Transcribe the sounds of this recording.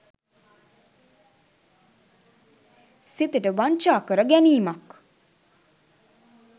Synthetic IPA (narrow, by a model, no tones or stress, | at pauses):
sit̪əʈəʋaɲt͡ʃaːkəɾəɡæniːmak